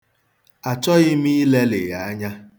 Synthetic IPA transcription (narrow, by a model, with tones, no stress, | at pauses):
a˨t͡ʃɔ˦ɣɪ˦m˦i˦le˦lɪ̰˨ja˨a˦ɲa˦